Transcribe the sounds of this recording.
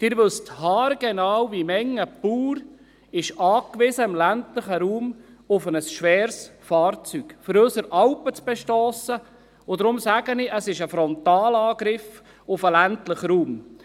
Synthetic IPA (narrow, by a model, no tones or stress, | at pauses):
d̥ɪːɾʋɵsthɑːɾɡ̥ɛnɑːwvimɛŋːəpuːɾ | ɪʃɑːkʋɪsəɪmlæntləχəɾuːmʊfənəsʃʋɛːɾsfɑːɾt͡syɡ̥fɔɾøsəɾʔɑwpət͡sb̥ɛʃtɔːsə | ʊd̪ɾʊmsæɡənɪʔəsɪʃəfɾɔnt̪ɑːlɑːɡɾɪf | ʊfəlæntləχɾuːm